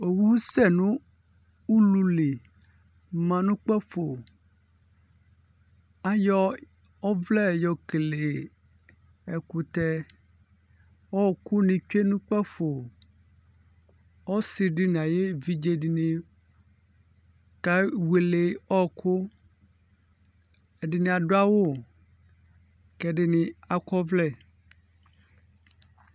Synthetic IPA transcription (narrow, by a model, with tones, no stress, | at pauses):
o˨wu˦sɛ˦˨nũ˦ | u˦lu˨le˨ | mã˨nũ˦k͡pɛ˦fo˨ | a˨jɔ˦ | ɔ˦vlɛ˦˨jɔ˨ke˨le˨ | ɛ˨ku˨t̪ɛ˦ | wɔ˦˨ku˦nĩ˨t͡ʃᶣe˦nũ˦k͡pɛ˦fo˨ | ɔ˦si˨ɖi˦n˨a˨je˦vi˦d͡ʒe˦ɖi˨ne˨ | ka˦we˨le˨ɔ˦kʰu˦ | e˨ɖi˨nẽ˨a˨ɖo˦a˦wo˦ | kɛ˨ɖe˦nĩ˨a˨kɔ˦vlɛ˦˨